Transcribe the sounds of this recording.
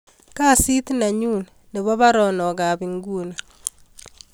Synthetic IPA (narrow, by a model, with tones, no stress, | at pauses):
ka˦˨si˦t̪na˨ɲu˦˨n | nɪ˨βɔ˦βa˦ɾɔnɔ˨ɣa˨βi˨ŋɡuː˦na